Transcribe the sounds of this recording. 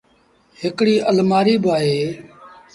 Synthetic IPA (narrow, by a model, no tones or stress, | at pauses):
ɦɪkɽiːʔəlmaːɾiːbaːɦeː